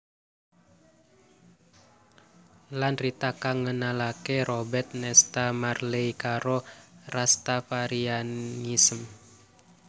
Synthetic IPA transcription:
lanrit̪akaŋənalakɛɾɔbɛrt̪̚nɛst̪amarlɛjkaɾɔrast̪afaɾianisəm

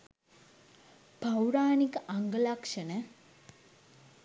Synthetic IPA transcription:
b̥ʱawɾaːnikəʔaŋɡəlakʂənə

